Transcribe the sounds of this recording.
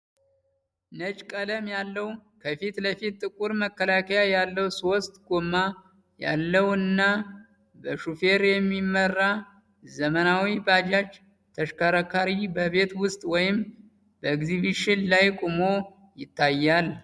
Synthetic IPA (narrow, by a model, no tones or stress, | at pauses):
nət͡ʃʼkʼələmjalːəwkʰəfit̪ləfit̪̚t̪ːʼɨkʼuɾməkːəlakʰəjajalːəwso̞st̪ʼɡomːa | ja̰lːəwɨnːa | bəʃufe̞ɾjɛmːimːərːa | zəmənawibad͡ʒat͡ʃː | t̪ʰəʃkʰəɾakʰaɾibəβe̞t̪wʊst̪ʼwɔjɪm | bəɡziβiʃɪnlajkʼumo̞ | jɪt̪ːajːal